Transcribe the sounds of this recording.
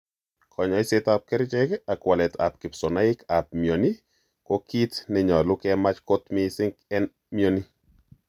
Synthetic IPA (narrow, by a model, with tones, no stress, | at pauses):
kʰɔ˨ɲɔ˨ɪ˦setap̚kɛ˦ɾt͡ʃɛ˦ka˨kwɔ˨lɛ˨ta̰˨p̚kɪ˨psɔ˨na˦ɪ˦ka˨p̚mjo˨ni˦ | kɔ˦ki˦tnɪ˦ɲɔ˨lʊ˦kɛma˦t͡ʃko˦t̪mɪ˦sɪ˦ŋkɛ˦n | mjo˦ni˦